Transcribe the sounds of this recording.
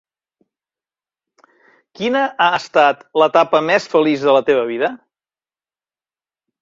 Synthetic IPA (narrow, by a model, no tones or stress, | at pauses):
kinəʔaəst̪at̪lət̪apəmɛsfəlizðələt̪eβ̞əβ̞iðə